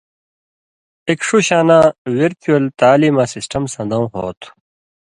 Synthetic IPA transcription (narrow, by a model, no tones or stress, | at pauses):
ekʂuɕaːnãːweɾt̪ʰuɐlt̪aːliːmaːsisʈɐmsɐ̃nd̪ɐ̃w̃ɦoːt̪ʰ